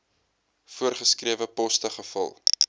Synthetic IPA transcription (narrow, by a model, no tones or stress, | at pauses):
fuərχəskriəvəpɔstəχəfɐ̰lˠ